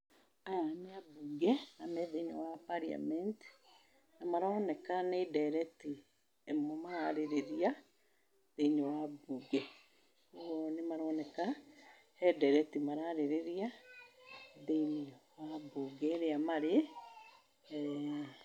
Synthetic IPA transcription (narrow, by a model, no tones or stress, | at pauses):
ajaneabuɡɛamɛðeɲowapaɾia̰mɛnti̥ | namaɾɔnɛkanedɛɾɛti | emomaɾaɾeɾeɾia | ðeiɲowabuɡɛ | koɣonemaɾɔnɛka | hɛdɛɾɛtimaɾaɾeɾeɾia | ðeiniwabuɡɛɾeamaɾe